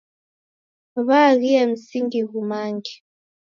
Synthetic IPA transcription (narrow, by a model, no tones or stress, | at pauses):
βaɣijam̩siŋɡiɣumaːŋɡi